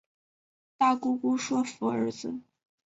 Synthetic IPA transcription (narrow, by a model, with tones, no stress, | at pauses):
t̪a˥˩ku˥ku˥ʂwɔ˥fu˧˥ə̰˞˧˥d͡z̩˧